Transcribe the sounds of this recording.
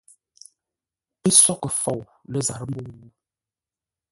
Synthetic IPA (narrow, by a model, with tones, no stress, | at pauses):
e˦sɔ˦kə˨fɔ˨w | lə˦za˨ɾə˦m̩˦bu˦